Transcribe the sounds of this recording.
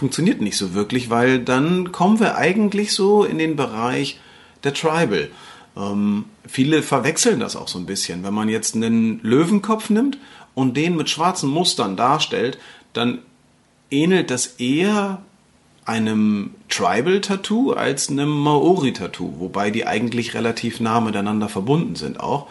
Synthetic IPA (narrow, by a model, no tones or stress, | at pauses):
fʊŋk̚t͡sjoniːɐtnɪçtz̥oːvɪɐklɪçv̥aɪldankʰɔmənviːɐʔa̰ɪɡŋ̩tlɪçz̥oːɪ̰ndeːnbəʁaɪç | d̥eːɐtʁ̥aɪbl̩ | ʔɛːmfiːləfɛɐvɛksl̩nda̰sa̰ʊxz̥oːnbɪsçənvɛnmanjɛt͡stnənløːvn̩kʰɔpp͡fnɪmtʔʊnt̚d̥eːnmɪtʃv̥aɐt͡sn̩mʊstɐndaːɐʃtɛltd̥an | ʔeːnl̩t̚d̥asʔeːɐ | ʔaɪnəmtʁ̥a̰ɪbl̩tʰatʰuːa̰lsnəmːaʔoːʁitʰatʰṵːvobaɪdiːʔa̰ɪɡŋ̩tlɪçʁḛlatʰiːfnaːəmɪtaɪnandɐfɛɐbʊndn̩zɪ̰nta̰ʊx